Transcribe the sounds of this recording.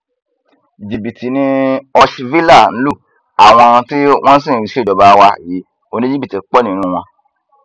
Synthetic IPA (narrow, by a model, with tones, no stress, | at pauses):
d͡ʒi˨bi˨tʰi˨nĩ˧ɔ˧ʃvi˦la˦˨ñ̩˦lu˦˨ | a˨w̃ɔ̃˧ti˦w̃ɔ̃˦n̩˦s̬ĩ˦˨ʃe˦˨ɔ˨ba˨˦˧wa˧˨ji˨˦ | o˦˨nĩ˦d͡ʒi˦bi˦˨ti˨˦k͡pɔ˦nĩ˨nũ˦w̃ɔ̃˧